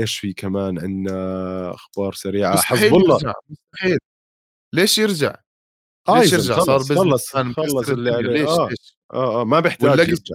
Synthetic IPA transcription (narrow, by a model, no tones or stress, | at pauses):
ʔeːʃfikamaːnʕɪ̰nːaʔa̰xbɑːɾˤsaɾiːʕaħaiːbɑlˤːɑd͡ʒa̰ʕmʊst̪aħiːl | leːʃjɪɾd͡ʒa̰ʕ | laeːʃjɪɾd͡ʒaʕˤɑːɾˤbɪzɑlːɑˤaːnmɑlːɑlːʕaleːaeːʃ | ʔaːʔaːmabɪħt̪ɪalːʔaɡa